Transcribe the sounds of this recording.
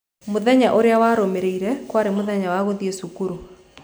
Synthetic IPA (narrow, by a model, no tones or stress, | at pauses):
moðɛɲaʔoɾeawaːɾomeɾeiɾɛkwaɾemoðɛɲawaɣoðiesukuɾo